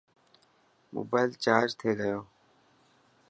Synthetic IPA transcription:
mʊ̰ːbaːɪlt͡ʃaːd͡ʒt̪ʰeːd̪əjoː

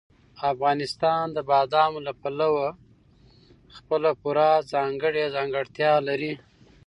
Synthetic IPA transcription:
afɣɑnɪst̪ɑnd̪əbɑd̪ɑmolapalawa | xpəlapuɾɑzɑŋɡəɽezɑŋɡəɽt̪jɑlaɾi

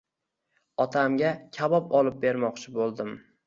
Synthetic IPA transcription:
ɒt̪ʰamɡʲakʲʰabɒpɒlˠɪp̚be̞ɾmɒqt͡ʃʰɪbolˠd̪ɪm

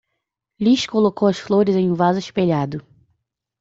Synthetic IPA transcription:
liʃkolokowɐsfloɾɪzẽj̃ũvazɪʃpeʎad̪ʊ

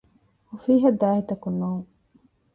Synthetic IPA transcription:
hufiːɦɐd̪aːɦit̪ɐkunːoːŋ

